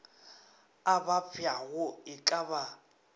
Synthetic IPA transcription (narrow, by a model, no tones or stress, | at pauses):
abapfʰjaɣʊɪkʼaβa